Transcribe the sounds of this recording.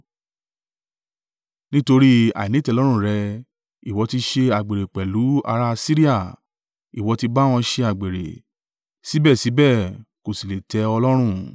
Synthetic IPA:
nĩ˦to˧ɾi˦a̰˨nĩ˨˦tɛ˧lɔ˦ɾ̃ũ˦˨ɾɛ˧ | i˨wɔ˨˧ti˧ʃe˧a˨ɡ͡be˨ɾe˨k͡pɛ˨lu˨˦a̰˧ɾa˦˧si˦ɾi˦a˦˨ | i˨wɔ˨˧ti˧ba˦w̃ɔ̃˧ʃe˧a˨ɡ͡be˨ɾḛ˨ | si˨˦bɛ˦˨si˨˦bɛ˦˨ko˨si˨le˨tɛ˨˧ɔ˧lɔ˦ɾ̃ũ˦˨

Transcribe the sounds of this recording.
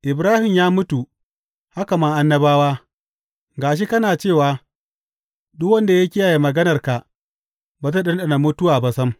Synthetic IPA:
ʔɪ˨bɾaː˦hɪ˨mjaː˦mʊ˦tu˨ | ha˦ka˨ma˦ŋʔa˦nːɐ˦baː˦waː˦ | ɡaː˨ʃ̬i˦kɐ˦naː˨t͡ʃeː˦˨waː˨ | dʊ˦kwɐ˦nda˨ja˦kʲɪ˦ja˨ji˨mɐ˨ɡɐ˦nɐ˨rka˨ | ba˨t̬a˦ɗɐ˦nɗɐ˨na˨mʊ˦tʊ˦waː˨ba˨sɐ˦m

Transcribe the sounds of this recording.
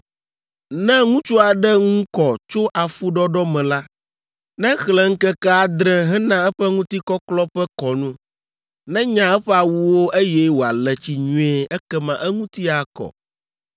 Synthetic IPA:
nɛ̃˦ŋũ˦t͡ʃu˦a˨ɖɛ˦ŋũ˦kɔ˨t͡ʃo˦ʔa˨fu˦ɖɔ˦ɖɔ˦mɛ̃˨la˦ | nɛ̃˦xlɛ˨ŋ̩˦kɛ˦ka˦a˨d̪ɾɛ̃˦ɦɛ̃˦nã˦ɛ˦ɸɛ˦ŋũ˦t̪i˦kɔ˦klɔ˦ɸɛ˦kɔ˨nũ˦ | nɛ̃˦ɲã˨ɛ˦ɸɛ˦a˨wu˦wo˦ʔe˦jɛ˦wo˨a˨lɛ˨t͡ɕi˨ɲũ˦ɛ˦ɛ˦kɛ˦mã˨ʔɛ˦ŋũ˦t̪i˦a˨kɔ̰˨

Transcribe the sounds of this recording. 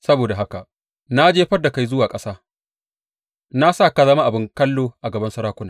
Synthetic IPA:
sɐ˦boː˨da˨ɦa˦ka˨ʔ | na˦d͡ʒeː˦ɸɐ˦rda˨ka˦jzʊ˦waː˨kʼɐ˦saː˦ | na˦saː˦˨ka˨zɐ˦ma˦ʔa˨bɪ˦ŋkɐ˦lːoː˨ʔa˨ɡɐ˨bɐ˦nsɐ˦ɾaː˦kʷʊ˦naː˨

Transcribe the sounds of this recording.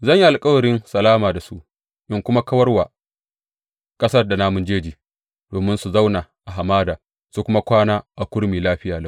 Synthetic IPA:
zɐ˦˨ɲji˦ʔa˨lkʼɐ˦wɐ˨ɽɪ˦nsɐ˨laː˦maː˨da˨su˦ʔ | ʔɪ˦ŋkʷʊ˦ma˦kɐ˦wɐ˦rwaː˨ | kʼɐ˦sɐ˦rda˨naː˦mʊ˨nd͡ʒeː˦d͡ʒiː˨ | d̥oː˨mɪ˦nsu˨za˦wna˨ʔa˨ɦa˨maː˦daː˨ | su˨kʷʊ˦ma˦kʷaː˦naː˦ʔa˨kʷʊ˦ɽmiː˨laː˦ɸɪ˦jaː˨lɐ˦˨

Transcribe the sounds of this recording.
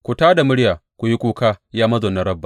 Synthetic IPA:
kʷu˨taː˦da˨mʊ˦ɽjaː˨kʷu˨ji˦kʷuː˦kaː˦jaː˦mɐ˦zoː˨nɐ˦ɾɐ˦bːa˨

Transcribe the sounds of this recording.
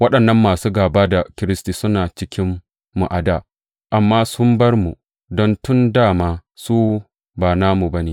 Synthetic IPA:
wɐ˦ɗɐ˨nːɐ˦mːaː˨suː˦ɡaː˨baː˦da˨kʲɪ˦ɾɪ˦stiː˨sʊ˦naː˨t͡ʃɪ˦kʲɪ˦mː | ṵ˨ʔa˨daː˦˨ | ʔa˨mːaː˦sʊ˦mbɐ˦rmu˨ | dɔ˦ntʊ˦ndaː˦˨maː˦suː˦ | baː˨naː˦mu˨bɐ˦neː˨

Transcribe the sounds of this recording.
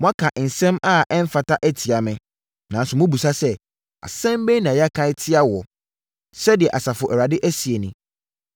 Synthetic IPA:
mɔ̃˦a˦kʰã˨ʔn̩˨sɛ̃˦ma˦ʔɛ̃˦m˦fa˨tʰa˦ʔæ˦tʰi˨a˨mɛ̃˨ | nã˨n˦sʊ˨mʊ̃˦bu˨sa˦sɛ˦ | a̰˨sɛ̃˦m˦bɛ˦nã˨ja˦kʰã˦ɪ˦tʰɪ˦a˦wɔ˨ | sɛ˦dɪ˨ɛ˨ʔa˨sa˨fʊ˨ʔɛ˨a˨dɪ˦ʔæ˦si˨e˨nɪ̃˨

